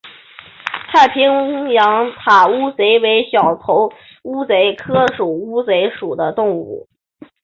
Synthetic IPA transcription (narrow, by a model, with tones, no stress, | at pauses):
t̪ʰa˥˩ɪpʰi˥ŋŋjɑ˧˥ŋt̪ʰa˨˩u˥t͡se˧˥ɪwe˧˥ɪɕjɑ˨˩ʊt̪ʰo˧˥ʊ | u˥t͡se˧˥ɪkʰɤ˥ʂu˨˩u˥t͡swe˧˥ɪʂu˨˩d̪ə˦t̪ʊ˥˧ŋṵ˥˩